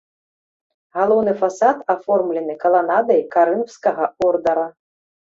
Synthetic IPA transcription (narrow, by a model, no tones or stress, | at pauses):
ɣalˠɔwnɨfasat̪afɔrmlʲɛnɨkɐlˠanad̪ɐjkaɾɨnwskɐɣɐɔrd̪ɐɾɐ